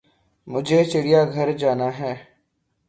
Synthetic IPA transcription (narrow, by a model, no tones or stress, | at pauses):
mʊd͡ʒʱeːt͡ʃɪɽijaːɡʱəɾd͡ʒaːnaːɦɛː